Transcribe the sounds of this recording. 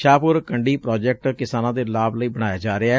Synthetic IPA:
ʃaːpʊɾkəɳɖiːpɾɔːd͡ʒɛk̚ʈkɪsaːnãːd̪eːlaːbləiːbəɽ̃aːjaːd͡ʒaːɾɪaː

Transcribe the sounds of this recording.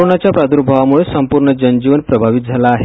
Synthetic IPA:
onat͡ɕjapɾad̪uɾbʱaʋamuɭesəmpuɾɳəd͡ʑənd͡ʑiʋənpɾəbʱaʋit̪̚d͡zʱalaːɦe

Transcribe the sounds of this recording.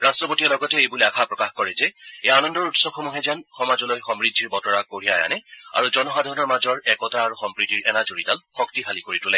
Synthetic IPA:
ɹastɹɔpotiɔlɔɡɔtɛejbuleakʰapɹɔkaxkɔɹɛzɛejanɔndɔɹutsɔb̚xɔmuɦɛzianxɔmazɔlojxɔmɹidʱːiɹbɔtɔɹakoɹijaja̰nɛa̰ɹuzɔnɔxadʱɔɹɔnɔɹmazɔɹɛkɔtaːɹuxɔmpɹitiɹɛnazoɹitalxɔktixalikoɹitulɛ

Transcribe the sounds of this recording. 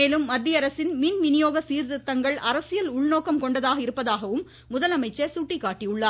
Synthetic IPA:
eːlɯmːɐd̪ʱːɪjɐɾɐsɪnmiːnmɪnɪjoːɣɐsiːɾðɪt̪ːɐŋɡɐɭɐɾɐsɪjɐlʊɭnoːkɐmkɔɳɖɐðaːɣɐɪɾɯpːɐðaːɣɐʋɯmː | ʊðɐlɐmɐɪt͡ʃːɐsuːʈːɪkːaːʈːijɯɭːɐ

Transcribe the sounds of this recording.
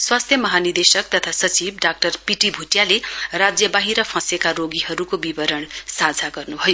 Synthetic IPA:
swast̪ʰjʌmʌɦanird̪esʌk̚t̪ʌt̪ʰasʌt͡sibɖak̚ʈʌrpiʈibʱuʈjalerad͡zjʌbaɦiɾʌpʰʌ̃sekaɾoɡiɦʌɾukobibʌɾʌɳsad͡zʱaɡʌrnubʱʌjo

